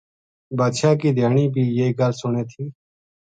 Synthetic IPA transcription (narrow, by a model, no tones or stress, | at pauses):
baːʃaːkiːd̪ʱjaːɳiːbiːjeːɡəlsʊɳeːt̪ʰiː